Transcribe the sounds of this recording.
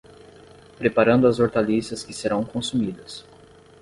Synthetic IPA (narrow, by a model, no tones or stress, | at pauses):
pɾepaɾɐ̃nd̪ʊɐzoɾt̪alisɐskɪseɾɐ̃w̃kõsumid̪ɐs